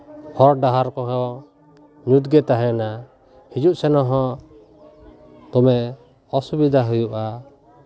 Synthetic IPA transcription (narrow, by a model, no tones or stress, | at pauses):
hʰɔɾɖaɦaɾkɔɦɔ | ɲut̪ɡɛt̪aɦɛna | hid͡ʒuʔsɛnɔɦɔ̃ | t̪ɔmɛ | ɔsubid̪ʱaɦujuʔa